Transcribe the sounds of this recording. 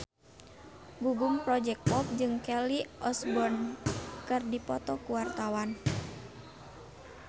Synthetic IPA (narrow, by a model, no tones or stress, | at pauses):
ɡuɡumpɾɔd͡ʒɛk̚pɔp̚d͡ʒɨŋkɛliʔɔsbɔnkɨrdipɔt̪ɔkuwart̪awan